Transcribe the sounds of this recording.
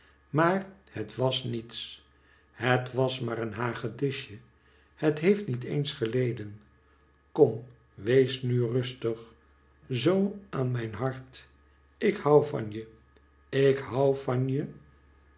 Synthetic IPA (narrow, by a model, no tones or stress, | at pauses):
maːɹhətʋɑsnits | hətʋɑsmaːɾənɦaːχədɪʃjə | hətɦejftnitḛjnsχəlejdən | kɔm | ʋejsnyrɵstəχ | zowaːnmɛjnɦɑɹt | ʔɪkhɑwvɑ̰njə | ɪkɦɑwvɑnjə